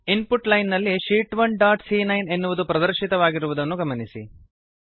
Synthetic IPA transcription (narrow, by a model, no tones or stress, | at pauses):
inpuʈlɐjnːɐlːiʃiːʈʋɐɳɖaːʈsinɐjne̞nːuʋud̪upɾɐd̪ɐɾʃit̪ɐʋaːɡiɾuʋud̪ɐnːuɡɐmɐnisi